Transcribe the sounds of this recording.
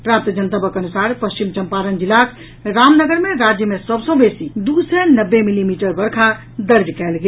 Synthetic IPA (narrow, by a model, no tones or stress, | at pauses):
pɾap̚t̪əd͡ʒənt̪əbəkənusaɾpəst͡ʃimt͡ʃəmpaɾənd͡ʒilakʰ | ɾamnəɡəɾmeɾad͡ʒjəmesəbsə̃besid̪usɛnəbːemilimiʈəɾbəɾkʰa | d̪əɾd̪kɛlɡe